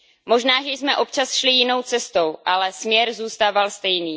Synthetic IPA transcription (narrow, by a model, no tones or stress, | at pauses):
mo̞ʒnaːʒɛjsmɛʔo̞pt͡ʃasʃlɪjɪno̞wt͡sɛst̪owʔalɛsmɲɛɾzuːst̪aːvalst̪ɛjniː